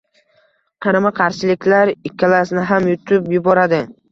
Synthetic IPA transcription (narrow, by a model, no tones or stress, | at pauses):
qʰɑɾamaqʰɑɾʃɪlɪkʲʰlaɾɪkʲʰːalasnɪɦamjʊt̪ʰʊpjʊbɒɾad̪ɪ